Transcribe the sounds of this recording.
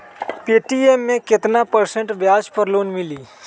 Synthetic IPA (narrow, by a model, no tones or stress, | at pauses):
peːʈiemːẽkɪt̪napɐɾsə̃ɳʈbjaːd͡ʒpɐɾloːnmɪliː